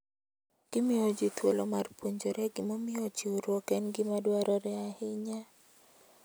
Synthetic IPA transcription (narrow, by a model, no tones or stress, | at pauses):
ɡ̥ɪmɪɔd͡ʒɪt̪wolɔmarpwoɲd͡ʒoɾɛɡɪmɔmɪɔt͡ʃiuɾwɔkɛnɡɪmadwaɾɔɾɛahɪɲa